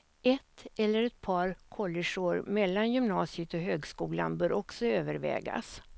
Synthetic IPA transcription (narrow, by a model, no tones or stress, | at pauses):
ɛt̪ːɛlːəɾɛt̪̚pʰɑːɾkʰɔlːɪʂʊɾmɛlːanjʏmnɑːsɪət̪ɔɦøːɡskuːla̰nbœːɾʔɔksɔøːvəɾvɛ̰ːɡa̰s